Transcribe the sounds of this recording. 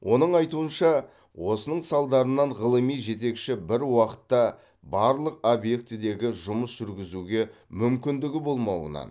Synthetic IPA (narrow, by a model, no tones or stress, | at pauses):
wʔo̞nəɴɑjt̪uənʃɑ | wo̞sənəɴsɑlˠd̪ɑɾənɑɴʁəlˠəmijʒe̞t̪e̞kʃɪbɪɾwɑqə̥t̪ːɑ | bɑɾlˠəq̚obje̞k̚t̪ɪd̪e̞ɡʲɪʒʊməsʒ̥ʏɾɡʲɪzuɡʲe̞ | mʏmkʲɪnd̪ɪɡʲɪbo̞lˠmɑwə̰nɑ̰n